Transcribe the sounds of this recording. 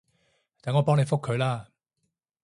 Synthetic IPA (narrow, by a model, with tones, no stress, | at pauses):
t̪aː˨˩ŋɔː˨˧pɔː˥ŋne˨˧jfʊ˥kʰːɵ˨˧laː˥˩